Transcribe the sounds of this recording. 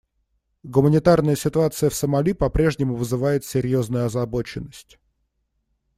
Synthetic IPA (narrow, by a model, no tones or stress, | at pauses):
ɡʊmənʲɪt̪arnəjəsʲɪt̪ʊat̪sɨjəfsəmɐlʲipɐpɾʲe̞ʐnʲɪmʊvɨzɨvajɪt̪sʲɪɾʲjo̞znʊjʊɐzɐbot͡ɕɪnːəsʲtʲ